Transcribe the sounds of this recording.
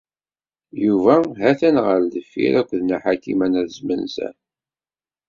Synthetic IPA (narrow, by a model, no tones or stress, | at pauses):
juvæɦæθænʁəld̪əfːḭɾækʷːðnaħakːimænæðəzmənsæ̰n